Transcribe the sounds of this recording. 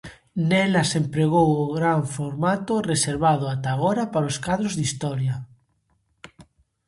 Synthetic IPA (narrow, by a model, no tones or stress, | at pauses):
nɛlasempɾeɣ̞owoɣɾaɱfoɾmat̪ʊreseɾβað̞ʊat̪aɣɔɾapaɾoskað̞ɾozðist̪ɔɾja